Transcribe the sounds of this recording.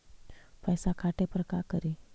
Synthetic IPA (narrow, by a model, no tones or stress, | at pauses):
pəjsakʰaʈepəɾəkakəɾi